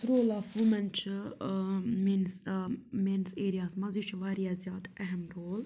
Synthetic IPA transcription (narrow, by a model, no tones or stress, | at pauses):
sɾoːlaːfumɐnt͡ʃʰ | minsmeːnseːɾijaːsmɐziʃʰɐʋaːɾijazjaːd̪ɛɦmɾoːl